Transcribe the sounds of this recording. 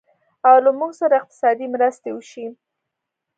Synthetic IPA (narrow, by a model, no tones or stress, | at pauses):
awlamuɡsaɾaɪq̚t̪ɪ̥sɑd̪imɾəst̪ewəʃi